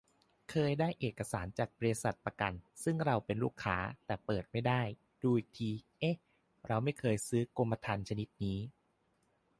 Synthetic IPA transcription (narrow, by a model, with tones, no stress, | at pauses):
kʰɤː˧jdaː˥˩jʔeː˨˩kːa˧saː˩˦nt͡ɕaː˨˩k̚bɔ˧ɾi˦˥sa˨˩t̪̚pɾa˧ka˧nsɯ˥˩ŋɾa˧wpe˧nluː˥˩kʰːaː˦˥t̪ɛː˨˩pɤː˨˩t̪̚ma˥˩jdaː˥˩j | duː˧i˨˩kt̪ʰiː˧ʔe˦˥ | ɾa˧wma˥˩jkʰɤː˧jsɯː˦˥ku˧mːa˧t̪ʰa˧nt͡ɕʰa˧ni˦˥t̪̚niː˦˥